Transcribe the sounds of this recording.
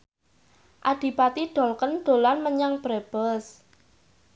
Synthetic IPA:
ʔaɖ̥i̤pat̪iɖ̥ɔ̤lkənɖ̪̥o̤lanməɲaŋb̥ɾeb̥əs

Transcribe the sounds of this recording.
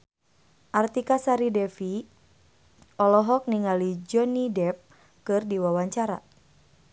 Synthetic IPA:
ʔart̪ikasaɾidɛfi | ʔɔlɔɦɔk̚niŋalid͡ʒɔnidɛp̚ | kɨrdiwawaɲt͡ʃaɾa̰

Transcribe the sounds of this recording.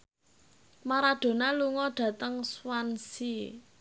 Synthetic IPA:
maɾaɖ̪̥o̤naluŋɔɖ̥ä̤t̪əŋswansi

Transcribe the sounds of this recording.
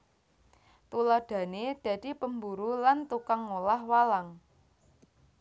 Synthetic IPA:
t̪ulad̪̥ä̤ned̪̥ä̤d̪̥i̤pəmbuɾulant̪ukaŋːolahwalaŋ

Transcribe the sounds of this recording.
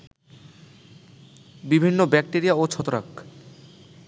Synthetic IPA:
bibʱinːobɛk̚ʈeɾiaot͡ɕʰɔt̪oɾa̰k

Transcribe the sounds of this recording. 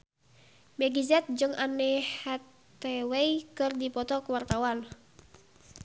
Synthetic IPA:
mɛɡizɛt̪̚d͡ʒɨŋanɛhat̪ɛwɛjkɨrdipɔt̪ɔkuwart̪awan

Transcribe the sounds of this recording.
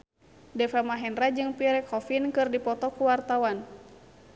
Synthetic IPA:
dɛfamaɦɛnrad͡ʒɨŋpiɾɛkʰɔfinkɨrdipɔt̪ɔkuwart̪awan

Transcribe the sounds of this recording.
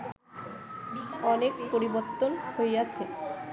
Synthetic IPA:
iɔnekpoɾiboɾt̪ːonhoeat͡ɕʰe

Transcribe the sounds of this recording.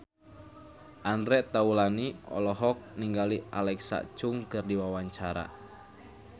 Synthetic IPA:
ʔandɾɛʔt̪aulaniɔ̰lɔɦɔk̚niŋɡaliʔa̰lɛksa̰t͡ʃʊŋkɨrdiwawaɲt͡ʃaɾa̰

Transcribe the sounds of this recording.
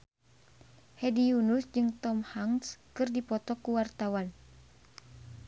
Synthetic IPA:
hɛdijunusd͡ʒɨŋt̪ɔmhaŋskɨrdipɔt̪ɔkuwart̪awan

